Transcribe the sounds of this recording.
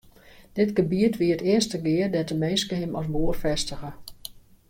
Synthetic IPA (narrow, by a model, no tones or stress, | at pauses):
d̥ɪtɡəbiətʰʋiətɪəstəɡɪərdɛtəmeːskəɦɪmɔsboərfɛstəɣə